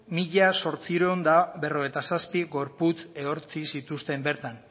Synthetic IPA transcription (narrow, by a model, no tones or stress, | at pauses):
miʎaso̞ɾt͡siɾoond̪abe̞ro̞ɣ̞e̞jt̪asaspiɣo̞ɾput͡se̞o̞ɾt͡sisit̪ust̪e̞mbe̞ɾt̪an